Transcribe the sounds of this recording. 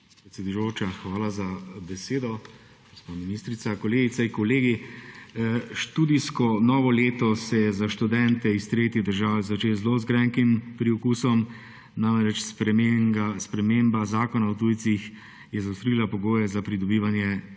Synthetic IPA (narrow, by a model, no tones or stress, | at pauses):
pɾɛt̪sʲed̪ujot͡ʃaxʋaːlazabɛseːd̪ɔ | ɡ̥ospaːminist̪ɾit̪sakɔleːɡit̪saiŋkɔleːɡi | ʃt̪ud̪iskɔnɔːʋɔleːt̪ɔsɛjɛzaʃt̪ud̪ɛnt̪ɛist̪ɾeːt̪id̪əɾʒaːʋɛzat͡ʃeːlzlozɡɾɛŋkimpɾiɔkusɔm | namɾɛt͡ʃspɾɛmeaspɾɛmembazaːkɔnaɔt̪ujt̪six | jɛzaʊst̪ɾilapɔɡoːjɛzapɾid̪ɔbiːʋanjɛ